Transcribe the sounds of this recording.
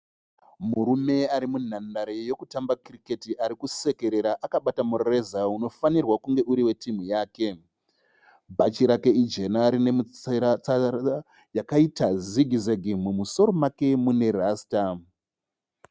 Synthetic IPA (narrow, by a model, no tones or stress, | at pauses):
muɾume̞aɾimun̤andaɾejo̞kutambakirike̞tiʔaɾikuse̞ke̞ɾe̞ɾaʔakaɓatamurrezauno̞fanirwakuŋɡe̞ʔuɾiwe̞tim̤ujaːke̞ | bʱat͡ʃiɾake̞id͡ʒe̞naːɾine̞muɾat͡saa | jakaitaziɡʱizeɡʱimumuso̞ɾo̞make̞mune̞rasta